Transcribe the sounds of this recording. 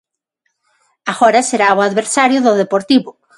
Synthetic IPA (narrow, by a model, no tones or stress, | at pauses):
aɣɔɾɐseɾaoaðβeɾsaɾjʊðʊðepoɾt̪iβʊ